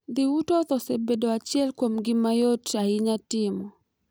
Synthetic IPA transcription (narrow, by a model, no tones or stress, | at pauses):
ðiutɔtɔsɛbɛdɔwat͡ʃɛlkwam̩ɡimajɔtaiɲatimɔ